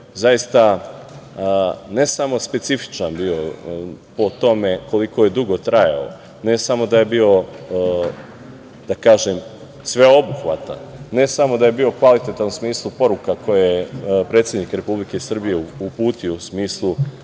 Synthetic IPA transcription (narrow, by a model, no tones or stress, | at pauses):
zajist̪a | ne̞samo̞spe̞t̪sifi̥t͡ʃanbiːo̞po̞t̪o̞me̞ko̞liko̞je̞d̪uɡo̞t̪ɾaja̰o̰ | ne̞samo̞d̪aje̞bio̞ | d̪̥akaːʒem | sʋe̞o̞buxʋa̰t̪a̰nːe̞samo̞d̪aje̞biːo̞kʋalit̪et̪anusmiːslˠupo̞ɾukako̞jejepɾe̞t̪sʲje̞d̪nikɾe̞publike̞sr̩bije̞upuːt̪iousmiːslˠu